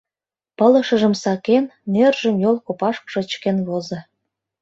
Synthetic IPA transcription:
pə̆lə̆ʃə̆ʒə̆msɑkenːerʒə̆mjolkopɑʃkʃɤ̆t͡ɕkenβozɤ̆

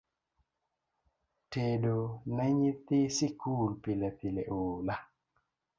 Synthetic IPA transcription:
tedonɛɲit̪ɪsikulpilet̪ileʔoːla

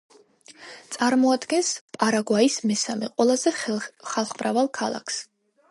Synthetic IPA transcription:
t̪sʼaɾmɔad̪ɡɛnspʼaɾaɡwaismɛsamɛqʼwɛlˠazɛχalˠχmɾavalˠkʰalˠa̰kʰs

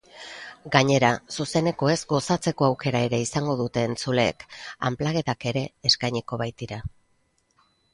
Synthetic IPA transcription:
ɡaɲe̞ɾasuse̞ne̞ko̞e̞zɡo̞sat͡se̞ko̞awke̞ɾae̞ɾe̞isaŋɡo̞ðut̪e̞ːnt͡sule̞̰ːka̰mplaɣ̞e̞ðake̞ɾe̞ːskajɲiko̞βajt̪iɾa

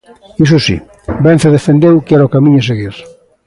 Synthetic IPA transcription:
is̬ʊsḭ | bɛnθeðefend̪ewkɛɾaokamĩɲʊseɣiɾ

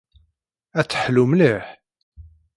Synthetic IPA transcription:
æt͡sːə̥ħlumliħ

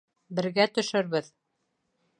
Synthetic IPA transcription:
bɘ̆ɾɡæt̪ɵ̆ʃɘɾβɘð

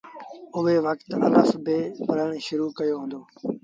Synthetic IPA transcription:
ʊʋeːʋəkt̪ə̰ləfbɪːpəɾəɳ̃ʃʊɾuːkəjoːɦʊ̃ːnd̪oː

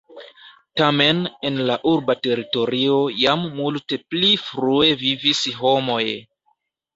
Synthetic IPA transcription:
tame̞ne̞nlaʔuɾbate̞ɾito̞ɾio̞jamːulte̞plifɾue̞vivisɦo̞mo̞j

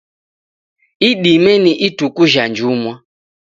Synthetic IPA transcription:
iɗimɛniʔitukuʒand͡ʒumwa

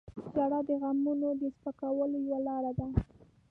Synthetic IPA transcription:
d͡ʒaɽad̪əɣamunod̪əspəkawəlojawalɑɾad̪a

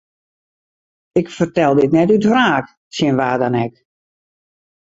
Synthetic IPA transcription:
ɪkfərtɛlˠdɪtnɛtytfraːk | sjɪnʋaːdanɛk

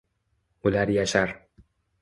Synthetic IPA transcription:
ʊlaɾjaʃaɾ

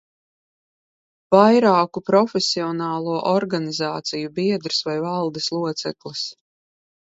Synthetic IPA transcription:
vajɾaːkupɾɔfesiɔnaːlˠuɔʔɔɾɡanizaːt̪sijubiɛd̪ɾsvajvalˠd̪eslˠuɔt̪sɛ̰klˠis

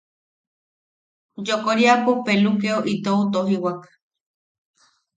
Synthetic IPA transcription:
d͡ʒokoɾiapupelukeoʔit̪out̪oɦiwak

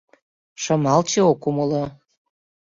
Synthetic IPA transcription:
ʃɤmɑlt͡ɕeokuməlɤ

